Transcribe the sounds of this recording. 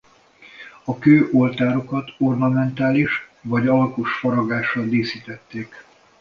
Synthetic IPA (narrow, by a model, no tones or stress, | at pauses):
ɒkøːʔo̞lt̪aːɾo̞kɒt̪o̞rnɒmɛnt̪aːliʃvɒɟɒlkuʃfɒɾɒɡaːʃɒd̪eːsiːt̪ɛt̪ːeːk